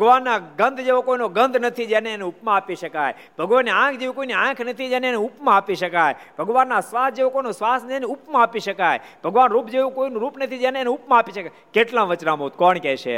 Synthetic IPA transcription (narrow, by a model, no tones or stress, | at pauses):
bʱəɡʋanːaɡənd̪ʱd͡ʒeʋokoinoɡənd̪ʱnət̪ʰid͡ʒeneːneupmãapiʃəkaj | b̥ʱəɡʋanːeãkʰd͡ʒeʋikoineãkʰnət̪ʰid͡ʒɛneneupmãapiʃəkajebʱəɡʋanːasʋasd͡ʒeʋokoinosʋasnəeneupmãapiʃəkajbʱəɡʋanɾupd͡ʒeʋũkoinũɾupnət̪ʰid͡ʒɛneːneupmãapiʃəka | keʈlãʋət͡ʃnãmot̪kɔɳkɛʃʰḛ